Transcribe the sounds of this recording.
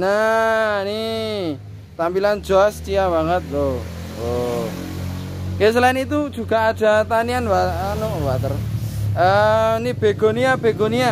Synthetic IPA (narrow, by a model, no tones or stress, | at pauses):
nə | ni | t̪ampilan̥d͡ʒ̥oast͡ʃiabaŋət̪̚ɾo | o | kes̬əlaɪnit̪ud̥ʒ̥ṳɡ̥a̤ad̥a̤t̪anianwaanoʔwat̪ərənib̥e̤ɡ̥o̤niab̥eɡ̥onia